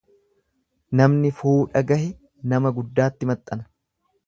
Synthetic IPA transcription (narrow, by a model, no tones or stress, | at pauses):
nɐmnɪfuːᶑɐɡɐhɪ | nɐmɐɡʊd̪ːaːt̪ːɪmɐt̪ʼːɐnɐ̥